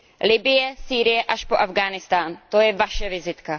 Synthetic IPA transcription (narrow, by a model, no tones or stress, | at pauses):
lɪbɪjɛsiːɾɪjɛʔaʃpoʔavɡaːnɪst̪aːnt̪o̞jɛvaʃɛvɪzɪt̪ka